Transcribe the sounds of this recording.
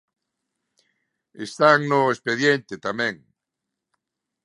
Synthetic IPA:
est̪aŋnʊespeðjent̪et̪amɛ̃ŋ

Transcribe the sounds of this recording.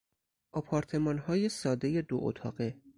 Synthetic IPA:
ʔɒpʰɒːɾt̪ʰe̞mɒːnhɒːjesɒːd̪e̞jed̪o̰ʔo̰t̪ʰɒ̰ːɢe

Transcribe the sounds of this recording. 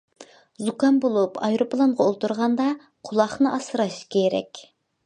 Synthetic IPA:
zukɑnbolˠupʰɑjɾopʰlˠɑɴʁɑolˠt̪uɾʁɑnd̪ɑ | qʰʊlˠɑχnɨʔɑsɨɾɑʃkʲʰeɾɛ̰kʲ

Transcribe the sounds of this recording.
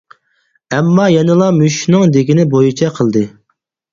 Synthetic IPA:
ɛmːɑjɛnɨlˠɑmyʃnɨŋd̪eɡʲinɪbojit͡ʃʰɛqʰəlˠd̪ɨ

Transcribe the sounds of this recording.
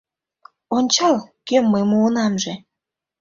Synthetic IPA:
onʲt͡ɕɑlkømːəjmuːnɑmʒe

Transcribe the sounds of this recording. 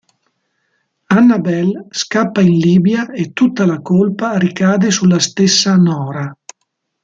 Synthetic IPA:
anːabɛlskapːainliːbjaet̪ut̪ːalakolpaɾikaːd̪esulast̪esːanɔːɾa

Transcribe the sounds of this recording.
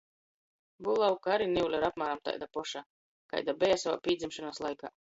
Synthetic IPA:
bulˠawkaɾiniulʲaɾap̚maːɾamt̪a̰jd̪apɔʃaː | ka̰jd̪abɛjasava̰ːpʲiːd̪zʲimʃɔnaːslˠajka̰ː

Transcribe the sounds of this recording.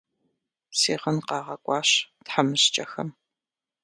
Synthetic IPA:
siːʁənqɑːʁɐkʷʼɑːɕtħamɨɕt͡ʃʼɐxɐm

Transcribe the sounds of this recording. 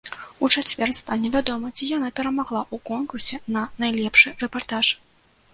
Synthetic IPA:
ut͡ʂat͡sʲvʲɛrst̪anʲɛvʲad̪ɔmɐt͡sʲijanapʲɛɾɐmaɣlˠaʔukɔnkursʲɛnɐnajlʲɛpʂɨrɛpart̪aʂ

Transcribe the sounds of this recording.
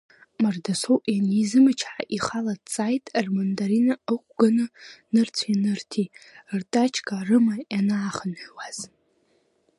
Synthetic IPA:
mardasowʔʼjanizɨmɨt͡ʃʰħa̰ʔiχaladt͡sʼajtʼrmandaɾinaəkʷɡanɨnɨrt͡sʷʰanɨrtʰirtʼat͡ʃʰkʼarɨmajanaːχənħʷᶣwaz̥

